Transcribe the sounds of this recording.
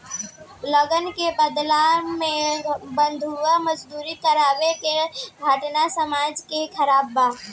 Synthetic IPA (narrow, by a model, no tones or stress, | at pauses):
ləɡənkebəd̪lamẽbənd̪ʱuʋaməd͡ʒd̪uːɾikəɾaːbekeɡʱəʈnasəmaːd͡ʒkekʰəɾaːbːaː